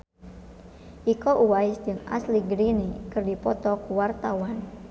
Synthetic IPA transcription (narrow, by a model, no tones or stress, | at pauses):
ʔikɔʔuwaɪsd͡ʒɨŋa̰sliɡɾinekɨrdipɔt̪ɔkuwart̪awan